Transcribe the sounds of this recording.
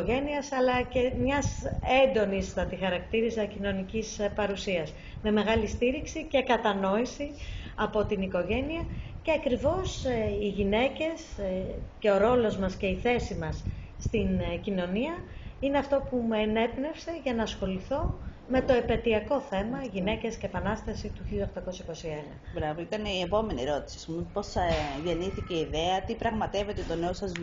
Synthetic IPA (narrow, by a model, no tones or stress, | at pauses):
oʝe̞niɐsɐlɐcemɲɐsend̪o̞nist̪ɐt̪ixɐɾɐkt̪iɾisɐcino̞nicispɐɾusiɐs | me̞me̞ɣɐlist̪iɾiksice̞kɐt̪ɐno̞isiɐpo̞t̪iniko̞ʝe̞niɐce̞ɐkɾivo̞siʝine̞ce̞s | ce̞o̞ɾo̞lo̞zmɐsce̞iθe̞simɐsːt̪incino̞niɐineɐft̪o̞pumeːne̞pne̞fse̞ʝɐnɐːsxo̞liθo̞ | me̞t̪o̞epe̞t̪iɐko̞θe̞mɐʝine̞ce̞sceːpɐnɐst̪ɐsit̪uçilʎɐoxt̪ɐko̞sɐiko̞sie̞nɐ̰bɾavoit̪ɐniepo̞me̞niɾo̞t̪i̥si̥ɐspumpo̞sʝe̞niθice̞iðeɐt̪ipɾɐɣmɐt̪e̞ve̞t̪et̪o̞neosɐz